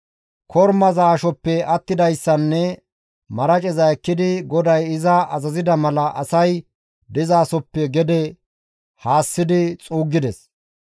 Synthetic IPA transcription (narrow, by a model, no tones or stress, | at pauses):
kʰɔɾmɐzaːʃɔpːɛɐt̪ːɪd̪ɐjsːɐnːɛ | mɐɾɐt͡ʃʼɛzɐɛkːɪd̪ɪɡɔd̪ɐjɪzɐɐzɐzɪd̪ɐmɐlɐʔɐsɐj | d̪ɪzaːsɔpːɛɡɛd̪ɛ | haːsːɪd̪ɪt͡sʼuːɡːɪd̪ɛs